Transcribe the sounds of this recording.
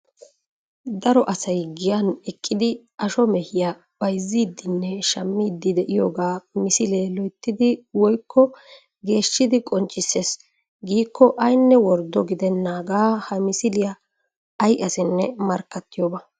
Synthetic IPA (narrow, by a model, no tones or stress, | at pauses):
d̪ɐɾɔʔɐsɐjɡɪjanɛkʼːɪd̪ɪ | ɐʃɔmɛhɪja | b̥ɐjzːiːd̪ːɪnːɛʃɐmːiːd̪ːɪd̪ɛʔɪjoːɡaːmɪsɪleːlɔjt̪ːɪd̪ɪwɔjkʰːɔ | ɡe̞ːʃːɪd̪ɪkʼɔnt͡ʃʼːɪsːes | ɡiːkːɔʔɐjnːɛwɔɾd̪ɔɡɪd̪ɛnːaːɡaːhɐmɪsɪlɪjɐ | ɐjʔɐsɪnːɛmɐɾkːɐt̪ːɪjoːbɐ